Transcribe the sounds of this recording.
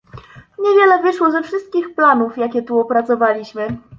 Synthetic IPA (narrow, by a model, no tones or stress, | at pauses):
ɲevʲjɛlɛvɘʂwɔzɛfʂɘst̪̚kʲixplanufjakʲɛt̪uɔpɾat̪sɔvalʲiɕmɘ